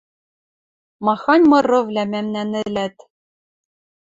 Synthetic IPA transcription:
mɑxɑnʲmɤ̆rɤ̆vlʲæmæmnænɘ̆læt̪

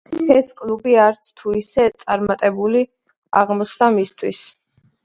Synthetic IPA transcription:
ɛskʼlubiaɾt̪sʰt̪ʰuisɛt̪sʼaɾmat̪ʼɛbuli | a̰ʁmɔt͡ʃʰd̪amist̪ʰwis

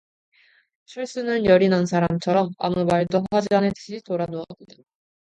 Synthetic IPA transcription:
t͡ɕʰʌɭs͈unɯnjʌɾinansʰaɾamt͡ɕʰʌɾʌma̰mumaɭdoɸad͡ʑianetɯ̥ɕʰitoɾanoʌdda

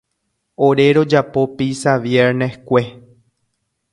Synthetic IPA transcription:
oɾe̞ɾod͡ʒapo̞pisaʋjeɾnehkʷe̞

